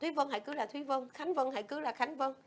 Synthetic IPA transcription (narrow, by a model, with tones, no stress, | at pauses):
t̪ʰwi˨˦və˧nha̰˧˨kɨ˨˦laː˨˩t̪ʰwi˨˦və˧ŋxa˨˦ŋvə˧nha̰˧˨jkɨ˨˦laː˨˩xa˨˦jŋ̟və˧ŋ